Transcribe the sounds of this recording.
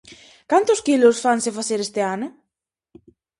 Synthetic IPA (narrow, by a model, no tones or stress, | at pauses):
kant̪ʊskilʊsfaŋsɪfaθeɾest̪ɪanʊ